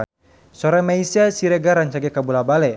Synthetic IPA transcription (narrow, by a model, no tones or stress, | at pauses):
sɔɾamaisiasiɾɛɡaɾaɲt͡ʃaɡɛkabulabalɛ